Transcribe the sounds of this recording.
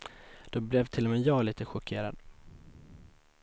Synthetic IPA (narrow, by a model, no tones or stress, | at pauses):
d̪̥ɔblɛvt̪ʰɪlːɔmɛːjɑːɡliːt̪əɧʊkʰeːɾa̰d̪̥